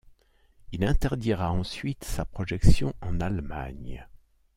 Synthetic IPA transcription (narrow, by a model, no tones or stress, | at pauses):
ilɛ̃t̪ɛʁd̪iʁaɑ̃sɥit̪sapχɔʒɛksjɔ̃ɑ̃nalma̰ɲ